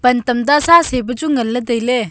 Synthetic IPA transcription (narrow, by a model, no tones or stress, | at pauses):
pɐnt̪ɐmd̪asasebət͡ʃuŋəlːəd̪əjle